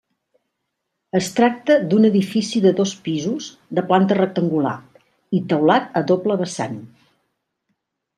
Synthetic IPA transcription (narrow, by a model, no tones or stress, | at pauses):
əst̪ɾak̚t̪əd̪unəðifisiðəðospizuz | d̪əplant̪ərək̚t̪əŋɡula̰ | it̪əwlat̪əðopləβəsa̰n